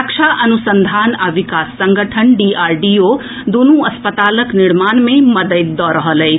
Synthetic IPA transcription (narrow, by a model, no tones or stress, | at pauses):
kʃʰaʔɐnusənd̪ʱaːnaʋikaːsːɐ̃ŋɡəʈʰənɖiaːɾɖio | d̪unuɐspət̪aːləknɪɽmaːnmẽmɐd̪əjt̪̚d̪ɔːɾəɦəleː